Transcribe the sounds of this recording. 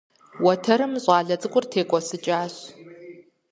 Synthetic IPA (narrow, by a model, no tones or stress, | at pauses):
wɔtʰɐɾɨmɕʼɑːɮɐt͡sʼɨkʷʼʊrtʰeːkʷʼɔsɨt͡ʃʼaːɕ